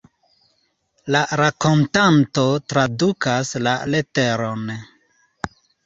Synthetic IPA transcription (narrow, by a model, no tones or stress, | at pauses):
laɾako̞ntanto̞tɾadukasla̰leteɾon